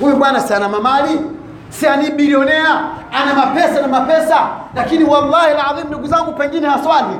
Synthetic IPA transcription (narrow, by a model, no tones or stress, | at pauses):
hujuɓwanasianamamali | sianiɓiɾiɔnɛaanamapɛsanamapɛsalakiniwalːahilʕaðim̩nduɡuzaŋɡupɛŋɡinɛhaswali